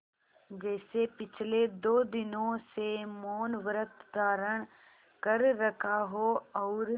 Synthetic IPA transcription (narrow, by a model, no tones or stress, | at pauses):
d͡ʒɛːsepɪt͡ʃʰled̪oːd̪ɪnõsemoːnʋəɾət̪ʰd̪aːɾəɽ̃ | kəɾːəkʰaɦoɔːɾ